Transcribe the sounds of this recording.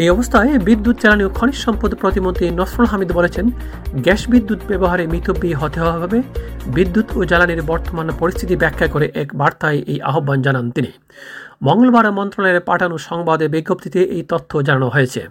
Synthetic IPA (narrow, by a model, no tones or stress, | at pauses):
ejɔbost̪ʰaebid̪ːut̪̚d͡ʑɛlaniokʰɔɽ̃iʃʃɔmpɾod̪pɾot̪imont̪ɾinɔsɾolɦamid̪bolet͡ɕʰen | ɡɛʃbid̪ːut̪bɛboɦaɾemit̪ʰobːiɦɔt̪iɦoababʱabebid̪ːut̪ʰod͡ʑɛlaniɾbɔɾt̪omanpoɾist̪ʰit̪ibɛkʰːakoɾeʔɛkbaɾt̪aeʔejʔa̰ɦobːand͡ʑanant̪ini | mɔŋɡolbaɾmɔnt̪ɾoneɾpaʈʰanoʃɔŋbad̪ebiɡːopt̪ʰit̪eʔejt̪ot̪ʰːod͡ʑananoɦojet͡ɕʰḛ